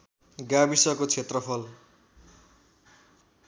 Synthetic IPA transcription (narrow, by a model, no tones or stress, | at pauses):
ɡabisʌkot͡sʰet̪rʌpʰʌl